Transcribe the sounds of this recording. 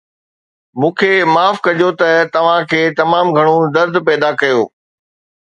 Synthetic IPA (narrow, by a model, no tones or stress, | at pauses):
mũːkʰemaːfkɐʄot̪ɐt̪ɐʋ̤ãkʰeːt̪ɐmaːmɡʱɐɽ̃od̪ɐɾd̪ʱpɛːd̪akɐjoː